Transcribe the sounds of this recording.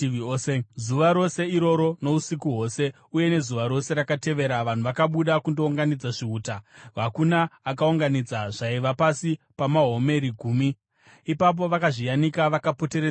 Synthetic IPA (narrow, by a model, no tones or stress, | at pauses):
iisezuʋaɾo̞se̞iɾo̞ɾo̞no̞usikuɦo̞ːse̞ | uje̞ne̞zuʋaɾo̞se̞ɾakate̞ʋe̞ɾaʋan̤uʋakaɓuɗakundo̞uŋɡanid͡zaʐiuːtaɦakunaːkauŋɡanid͡zaʐaiʋapasi | pamaɦo̞me̞ɾiɡʱuːmi | ipap̬o̞ʋakaʐijanikaʋakapo̞teɾe